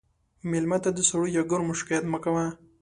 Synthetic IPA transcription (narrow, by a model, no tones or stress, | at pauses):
mɪlmat̪ad̪əsaɽujaɡʊɾmʊʃkɪat̪məkawa